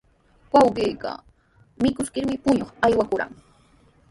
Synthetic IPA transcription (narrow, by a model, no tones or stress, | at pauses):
wɑwɢiːka̰ | mɪkʊskɪɾmɪpʊɲoχajwakʊɾa̰ŋ